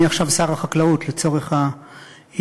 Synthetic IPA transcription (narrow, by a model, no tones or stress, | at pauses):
iaχʃavsaʁaχaklautlet͡so̞ʁeχha